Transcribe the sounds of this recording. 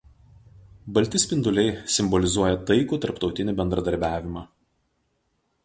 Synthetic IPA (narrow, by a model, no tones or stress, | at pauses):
bɐlʲt̪ʲɪsʲpʲɪnd̪ʊlʲɛɪsʲɪmbɔlʲɪzuɔjɛt̪ɐɪkuːt̪ɐɾpt̪ɒʊt̪ʲɪnʲɪˑbʲɛnd̪ɾɐd̪ɐɾʲbʲæːʋʲɪmɑː